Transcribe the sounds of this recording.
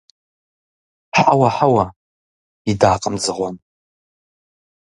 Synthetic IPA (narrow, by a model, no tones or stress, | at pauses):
ħawaħawa | idaːqʼəmzɨʁʷan